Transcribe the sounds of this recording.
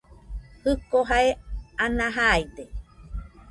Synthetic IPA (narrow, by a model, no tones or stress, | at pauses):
hɯkoɦaeanaɦajd̪e